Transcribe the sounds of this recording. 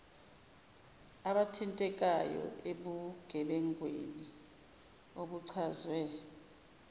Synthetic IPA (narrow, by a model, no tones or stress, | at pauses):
aɓatʰintʼɛk̬ʼajɔ̰eɓuɡ̥ʱɛɓɛŋwḛni | oɓuǀʰazwɛ